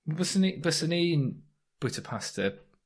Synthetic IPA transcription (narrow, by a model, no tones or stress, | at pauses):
bəsənibəsəniːn | b̥ɪtʰəpʰastə